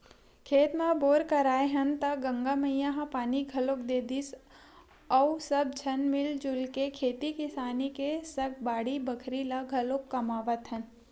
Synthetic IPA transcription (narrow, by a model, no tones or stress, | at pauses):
kʰeːt̪mãboːɾkɐɾaːeɦɐnt̪ɐɡɐ̃ŋɡamɐjjaːɦãpaːniɡʱɐlokd̪eːd̪is | ɐwsɐb̚d͡ʒʱɐnmɪld͡ʒʊlkekʰeːt̪ikɪsaːnikesɐk̚ʰbaːɽibɐkʰɾilaɡʱɐlokːɐmaːʋət̪ɦɐn